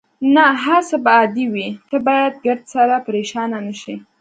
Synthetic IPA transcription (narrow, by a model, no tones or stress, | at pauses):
naɦasəbaːd̪iwit̪əbɑjad̪̚ɡəɾd̪saɾapəɾeʃɑnanəʃi